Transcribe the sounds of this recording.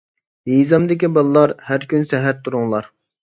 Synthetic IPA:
ɦizɑmd̪ɪkʲibɑlˠɨlˠɑɾhæɾkʲʰynsɛɦæɾt̪ʰuɾuŋlˠɑɾ

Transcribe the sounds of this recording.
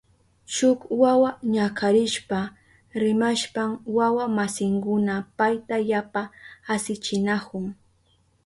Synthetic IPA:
ʃʊkwawaɲakʰaɾɪʃpa | ɾɪmaʃpamwawamasɪŋkʊnapajt̪ajapaːsɪt͡ʃɪnakʊŋ

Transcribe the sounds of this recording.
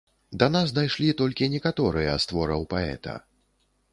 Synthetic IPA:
d̪ɐnasd̪ajʂlʲit̪ɔlʲkʲinʲɛkat̪ɔɾɨjɐ̰st̪vɔɾɐwpaɛ̰t̪ɐ̰

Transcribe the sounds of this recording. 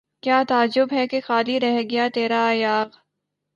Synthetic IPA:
kjaːt̪aːd͡ʒʊbɦɛkexaːliɾɛɦɡɐjat̪eːɾajaːɣ

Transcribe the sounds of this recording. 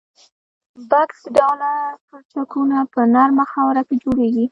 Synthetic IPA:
baksɖɑlaɾkot͡ʃakunapənaɾmaxɑwɾaked͡ʒoɽeɡi

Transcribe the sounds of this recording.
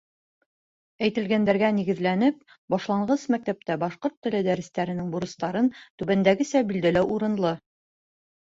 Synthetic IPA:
æjt̪ɘ̆lɡænd̪æɾɡæniɡɘ̆ðlænɘp̚ | bɒʃlˠɑɴʁɤsmæk̚t̪æp̚t̪æbɑʃqoɾt̪ːɘ̆lɘd̪æɾɘ̆st̪æɾɘ̆nɘŋbuɾɤ̆st̪ɑɾɤnt̪ʉβænd̪æɡɘsæbild̪ælæwʔuɾɤ̆nlˠɤ

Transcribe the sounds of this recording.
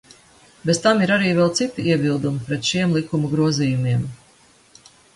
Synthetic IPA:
bezt̪amiɾaɾiːvɛlˠt̪sit̪iiɛbilˠd̪umipɾɛt̪ʃiɛmlˠikumuɡɾuɔziːjumiɛm

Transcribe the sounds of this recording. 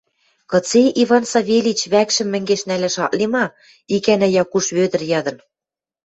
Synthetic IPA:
kɤ̆t͡seʔiβɑnsɑβʲelʲit͡ɕβækʃɘ̆mːɘ̆ŋɡeʃnælæʃɑ̰ʔlimɑ | ikænæjɑkuʃβød̪ɘ̆rjɑd̪ɤ̆n

